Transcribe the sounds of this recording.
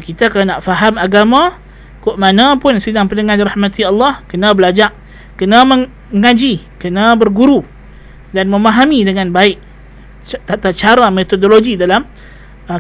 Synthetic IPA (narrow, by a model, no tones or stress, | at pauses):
kit̪akalanaʔfaɦamaɡamã | koʔmanãpʊnsədaŋpənəŋanɾahmat̪ialːɑhkənãbəlad͡ʒaʔ | kənaməŋ | ŋãd͡ʒikənãbərɡuɾu | danmə̃maɦamidəŋãnbaɪʔ | t̪at̪at͡ʃaɾamet̪odoloɡidalam